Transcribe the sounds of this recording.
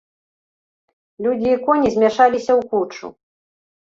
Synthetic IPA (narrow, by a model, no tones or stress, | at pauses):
lʲud͡zʲiːkɔnʲizʲmʲɛʂalʲisʲɐwkut͡ʂṵ